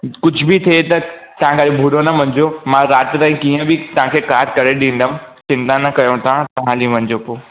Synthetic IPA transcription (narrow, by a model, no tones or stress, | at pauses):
kʊd͡ʑʱʊbɪt̪ʰiet̪ɐt̪ɐɦãkaɗobʱuɽonɐmɐ̃ɲd͡ʑomãɾaːt̪t̪aːĩkiːə̃bɪt̪ɐʋ̤ãkʰekaːɾkɐɾeɗĩːn̆d̪əmt͡ɕɪ̃nt̪ãnɐkɐjõt̪ʰãt̪ɐʋ̤ãːlĩʋɐ̃ɲd͡ʑopoː